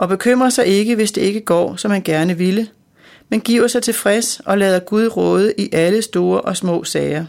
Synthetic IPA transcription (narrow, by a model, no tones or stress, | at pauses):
ʔɒ̽b̥e̝kʰøm̰ʁɐsɑ̈ɪe̝ɡ̥əʋe̝sd̥e̝e̝ɡ̥əɡ̥ɒ̰ːsɒ̽mhænɡ̥æɐnəʋilə | menɡ̥ḭʊ̰ɐsɑ̈ɪt͡sʰe̝lfʁɛsʔɒ̽lɛːð̞ˠɐɡ̥uð̞ˠʁɔ̽ːð̞ˠəʔiʔæləsd̥o̝ːɐʔɒ̽smɔ̰̽ːsɛɪɐ